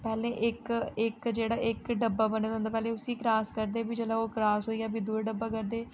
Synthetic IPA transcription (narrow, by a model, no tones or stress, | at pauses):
pɛːlẽːʔɪkɪkd͡ʒeːɽaːʔɪkɖəbaːbənːd̪õnd̪aːpɛːleːʊsiːkɾaːskəɾd̪eːbid͡ʒəlaːoːkɾaːsɦoːiːaːbiːd̪ʊeɖəbːaːkəɾd̪eː